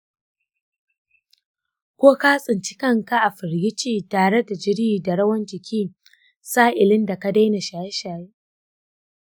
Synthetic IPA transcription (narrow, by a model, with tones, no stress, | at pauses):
kʷoː˦kaː˦sʼɪ˨nt͡ʃɪ̥˦kɐ˦˨ŋka˦ʔa˨ɸɪ˨ɾɡɪ˦t͡ʃiː˦taː˨ɽe˦da˨d͡ʒɪ˦ɽiː˦˨da˨ɽɐ˦wɐ˦nd͡ʒɪ˨kʲiː˦ | saː˦ʔɪ˨lɪ˦nda˨ka˦da˦jna˨ʃaː˨jɛ˦ʃaː˨ji˦